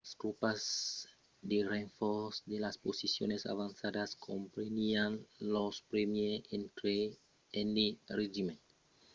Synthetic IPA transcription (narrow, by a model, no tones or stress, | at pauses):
last̪ɾupaz | d̪ereɱfosd̪elasposisjo̰nesa̰βansad̪askʰompɾemianlospɾemjeent̪ɾe | enireʒimen